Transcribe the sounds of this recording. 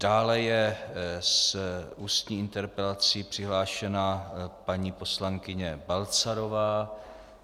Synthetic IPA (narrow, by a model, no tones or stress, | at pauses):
d̥aːlɛjɛ | sʔuːst̪ɲiːɪnt̪ɛɾpɛlat͡siːpr̥ɪɦlaːʃɛnapaɲiːpo̞slaŋkɪɲɛbalt͡saɾo̞vaː